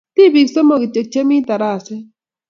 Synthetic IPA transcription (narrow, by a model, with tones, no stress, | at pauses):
t̪i˦bi˨ksɔ˦mo˨ki˨t͡ʃe˨k̚t͡ʃe˦mi˦t̪a˨ɾa˦˨sɛ˦